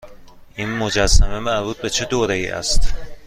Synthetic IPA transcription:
ʔinmo̞d͡ʒæsːæme̞mæɾbuːt̪̚be̞t͡ʃʰed̪oːɾejḭːʔæ̰st̪

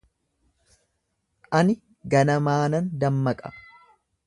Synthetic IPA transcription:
ʔɐnɪ | ɡɐnɐmaːnɐnd̪ɐmːɐkʼɐ̥̰

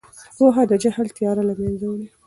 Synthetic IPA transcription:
waɦaːd̪ad͡ʒahlt̪ɪjɑːɾalamjanzawli

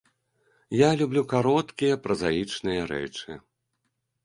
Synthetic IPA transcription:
jalʲublʲukaɾɔt̪kʲijɐpɾɐzajit͡ʂnɨjɐɾɛ̰t͡ʂɨ̰

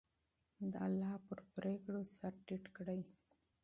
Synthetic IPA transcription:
d̪əalːɑpəɾpɾekɽosaɾʈiʈkɽaj

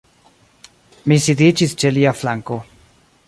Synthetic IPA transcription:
misid̪it͡ʃist͡ʃeliaflaŋko

